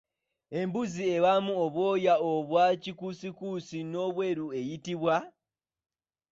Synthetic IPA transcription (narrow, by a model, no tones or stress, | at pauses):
e̞mbuzie̞βamuoβwo̞ːjaoβwacikusikuːsino̞βwe̞ːɾue̞jitiβwa